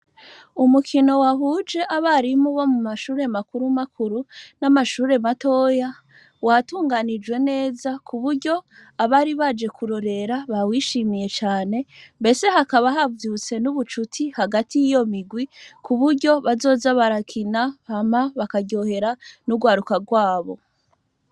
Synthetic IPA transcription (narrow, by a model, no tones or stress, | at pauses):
umukʰino̞waɦuːd͡ʒe̞ʔaβaɾimuβo̞mumaʃuːɾe̞makuɾumakʰuɾunamaʃuːɾe̞mato̞ːja | watuːŋɡanid͡ʒwe̞ne̞ːzakʰuβuɾɟo̞aβaɾiβad͡ʒe̞kʰuɾo̞ɾe̞ɾaβawiːʃimije̞t͡ʃaːne̞mbe̞se̞hakaβaɦavjut͡se̞nuβut͡ʃutʰihaɡatijijo̞miɡwikʰuβuɾɟo̞βazo̞ːzaβaɾakʰinahamaβakaɟo̞he̞ɾanuɡwaːɾukaɡwaːβo̞̰